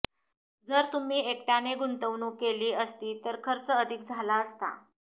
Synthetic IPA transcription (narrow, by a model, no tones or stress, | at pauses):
d͡zəɾt̪um̤iːekʈjaneɡunt̪əʋnuːkeliːəst̪iːt̪əɾkʰəɾt͡səəd̪ʱik̚d͡zʱalaəst̪a̰